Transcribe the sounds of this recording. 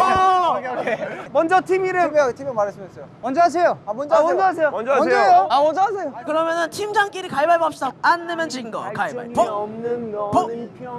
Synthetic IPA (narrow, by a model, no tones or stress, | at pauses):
emʌnd͡ʑʌtʰimiɾɯtʰimimaɾes͈ɯms͈ʌjomʌnd͡ʑʌɦas̬ʰejoamʌnmʌnd͡ʑʌasʰejoʌjoamʌnd͡ʑʌasʰejokɯɾʌmjʌnɯntʰimd͡ʑaŋk͈iɾikaibaɭbap̚ɕ͈idaanːɯmjʌnt͡ɕiɡnɡʌkaiba̰ɭpo | po